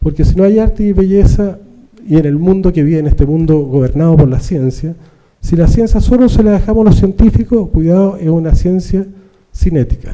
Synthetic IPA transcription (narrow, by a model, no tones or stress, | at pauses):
poɾkesinoajaɾt̪eiβeʝesa | ienelmũnd̪okeβienehst̪emũnd̪oɣoβeɾnaðopoɾlasje̞nsja | silasje̞nsjasoloseleaðexamohlosje̞nt̪ifikoskwiðaðoʔehunasje̞nsja | sinet̪i̥kḁ